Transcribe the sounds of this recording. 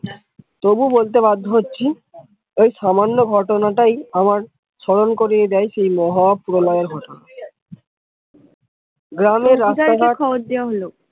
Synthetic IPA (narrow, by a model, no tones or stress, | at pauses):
t̪obubolt̪ebad̪ʱːoɦotːɕʰi | ojʃamanːoɡʱɔʈonaʈajamaɾ | ʃɔɽonkoɾied̪ɛjʃejmɔɦapɾolɔeɾɡʱɔʈona | ɡɾameɾɾːaaɾaɦakʰɔboɾ̚d̪ewaɦolo